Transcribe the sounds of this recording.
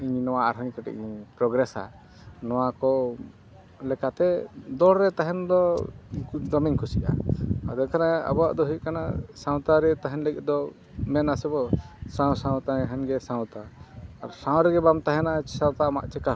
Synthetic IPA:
iɲnɔwaʔaɾɦɔɲkɛʈɛ̰ʔɛpɾɔɡɾɛsa̰ | nɔwakɔ | lɛkat̪ɛd̪ɔɾɾɛt̪aɦɛnd̪ɔ | d̪ɔmɛɲkʰusiʔa̰ad̪ɛnkʰanɛa̰bɔa̰ʔd̪ɔɦukana̰sãw̃t̪aɾɛt̪aɦɛnlɛɡʔd̪ɔ | mɛnasɛbɔsaw̃sãw̃t̪aɦɛnɡɛsãw̃t̪aːɾsãw̃ɾɛɡɛbamt̪aɦɛnat͡ʃsãw̃t̪ama̰ʔt͡ʃɛka

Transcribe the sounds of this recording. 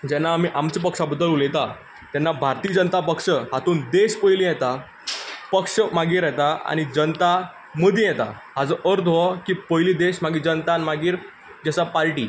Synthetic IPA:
d͡ʑɛnːaːmiːʔamt͡ɕipəkʂabəd̪ːəluljet̪a | t̪jɛnːabʱaɾt̪iːd͡ʑənət̪apəkʂəɦat̪uːnd̪eɕpəjlĩjɛt̪a | pəkʂəmaɡiːɾɛt̪aa̰ñid͡ʑənət̪a | məd̪ʱĩjɛt̪a̰ɦad͡zəʔəɾt̪ɔkiːpəjliːd̪eɕmaɡiːd͡ʑənt̪anmaɡiːɾ | d͡ʑəsapaɾʈḭː

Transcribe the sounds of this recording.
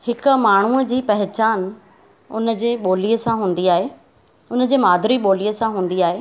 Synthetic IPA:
hɪkʊ̆maːɳ̤uəd͡ʑiːpɐɦɪt͡ɕaːn | ʊnə̆d͡ʑeːɓoːlijəsãɦũːn̆d̪iaːɦeː | ʊnə̆d͡ʑeːmaːd̪ʱɾiɓoːlijəsãɦũːnd̪iaːɦeː

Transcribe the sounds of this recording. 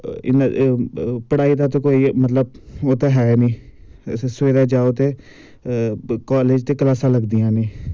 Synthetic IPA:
ɪ̰n | pəɽaːid̪aːt̪okoːimət̪ləb̚oːt̪eɦɛenĩː | sʋeːd̪aːd͡ʒaːot̪eː | kaːleːd͡ʒt̪eːkəlaːsãːləɡd̪ijãːneː

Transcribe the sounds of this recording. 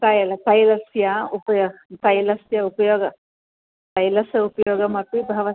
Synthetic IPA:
t̪ɐjɐlɐt̪ɐjlɐsjaupɐjoːɡɐt̪ɐjlɐsjɐupɐjoːɡɐ | t̪ɐjlɐsjɐupɐjoːɡɐmɐp̪ibʱɐʋɐ

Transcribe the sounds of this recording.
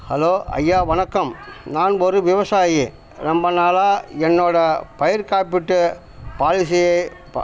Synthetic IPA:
hɐloːɐ̰jːaːʋɐnɐkːɐmnaːnɔɾɯʋɪʋɐsaːje | ɾɐmbɐnaːlaːɛnːoːɽɐpɐjɐɾkaːpɪʈːɯ | paːlɪsɪjɐɪ

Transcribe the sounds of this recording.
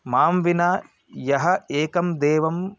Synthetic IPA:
maːmʋinaː | jɐɦɐeːkɐmd̪eːʋɐm

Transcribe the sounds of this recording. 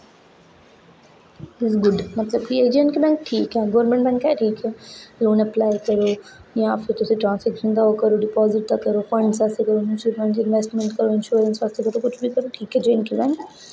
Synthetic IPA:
ɪzɡʊɖmɐt̪ləb̚kieːd͡ʒẽnʈkibɛ̃ŋk̚ʈʰiːkɦɛɡɔːɾmẽɳʈbɛ̃ːŋkɛʈʰiːkɛːloːnəplaːɪkɐɾoːjãːfʰɪɾt̪ʊsĩʈɾãːnsɛːkʃə̃nd̪aːkɐɾoɖɪpɔːzɪʈ̚d̪akɐɾoːfɐ̃ɳɖsaːst̪ʰekɐɾonɪnsiɾbɛ̃ɳʈɪ̃nʋɛsʈmɛ̃ɳʈkəɾoɪ̃nʃuːɾə̃nsʋaːst̪ʰekɐɾt̪okʊt͡ʃʰbikɐɾoʈʰiːkɦɛːd͡ʒenkibɛ̃ːŋk

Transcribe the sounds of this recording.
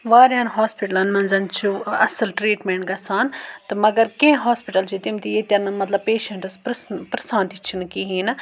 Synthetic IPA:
ʋaːɾjãːnɦaːspiʈɐlɐnmɐ̃nzɐnt͡ʃʰuɐsɐlʈɾiːʈmẽɳʈɡɐsaːnt̪ɐmɐɡɐɾkẽɦaːspiʈɐlt͡ʃʰit̪imt̪ijet̪ʲɐnɨmɐt̪lɐbpeːʃɐɳʈɐspɾɐsnpɾɐsãːnt̪it͡ʃʰinkiɦĩːnɐ

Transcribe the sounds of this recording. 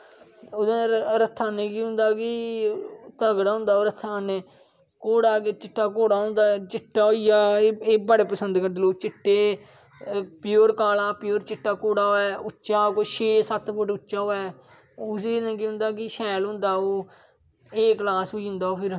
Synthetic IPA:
od̪ẽːɾət̪ʰːaːnẽːkiɦʊ̃nd̪aːkɪ | t̪əɡɽaːɦʊ̃nd̪aːoːɾət̪ʰːaːneː | koːɽaːket͡ʃɪʈːaːkoːɽaːʊ̃nd̪aːt͡ʃɪʈːaːoijaːeːbəɽeːpəsənd̪kəɾd̪eːloːt͡ʃɪʈːeː | pɪjoːɾkaːlaːpɪjoːɾt͡ʃɪʈːaːkoːɽaːoːɛːʊt͡ʃaːkoʃeːsət̪pʰʊʈʊt͡ʃːt͡ʃaːoːɛː | ʊseːnẽːkiɦʊ̃nd̪aːkɪʃɛːlɦʊ̃nd̪aːoː | eːklaːsɦoiːɦʊ̃nd̪aːoːpʰɪɾ

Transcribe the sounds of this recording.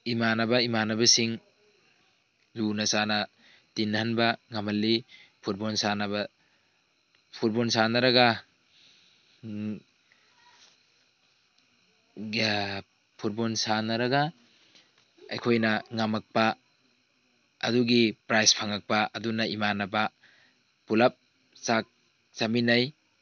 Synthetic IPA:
imanɐbɐimanɐbɐsiŋ | dunɐsanɐ | tinːhɐnbɐŋɐmɐlːipʰuɾbonsanɐbɐ | pʰuɾbonsanɐɾɐɡɐ | pʰuɾbonsanɐɾɐɡa | ɐ̰jkʰojnɐŋamɐk̚pɐ | ɐ̰duɡipɾajspʰaŋɐk̚paɐdunɐimanɐba | pulap̚ | sak̚ | saminaj

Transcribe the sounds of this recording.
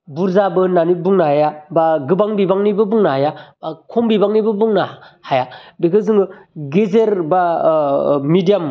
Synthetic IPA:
buɾzabɯnanibuŋnahajabaɡɯbaŋbibaŋnibɯbuŋnahajabakʰombibaŋnibɯbuŋnahajabekʰɯzɯŋɯɡezeɾba | midijam

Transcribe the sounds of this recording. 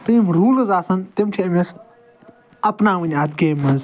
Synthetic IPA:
t̪ɨmɾuːlɨzaːsɐnt̪imʈʰeɐmes | ɐpnaːʋɨnʲaːd̪keːmɐz

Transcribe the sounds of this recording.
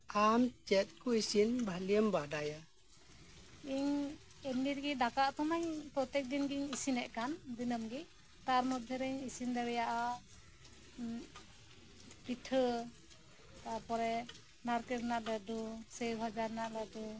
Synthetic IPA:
amt͡ʃɛt̪̚kɔisinbʱalijəmbadaja | iɲ | ɛniɾɡid̪akaʔt̪ɔmaɲpɾɔt̪ɛk̚d̪inɡiɲisinɛʔkand̪inəmɡi | t̪aɾmɔd̪ʱɛɾɛɲisind̪aɾɛjaʔa | piʈʰə | t̪apɔɾɛ | naɾkɛɾnaʔladusejbʱad͡ʒaɾnaʔladu

